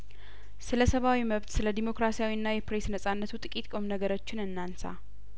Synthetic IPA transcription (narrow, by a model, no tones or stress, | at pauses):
sɨləsəβawiməβt̪sɨləd̪imo̞kɾasijawiɨnːajɛpɾe̞snəsʼanːət̪ʰut̪ʼɨkʼit̪ʼkʼo̞mnəɡəɾot͡ʃːɪnɨnːansa̰